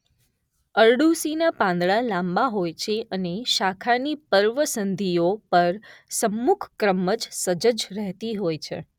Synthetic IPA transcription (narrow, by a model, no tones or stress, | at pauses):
əɾɖusinapãnd̪ɭalãmbaɦojt͡ʃʰeʔəneʃakʰanipəɾʋəsənd̪ʱijopəɾsəmːukʰkɾəməd͡ʒsəd͡ʒəd͡ʒɾəɦt̪iɦojt͡ʃʰḛ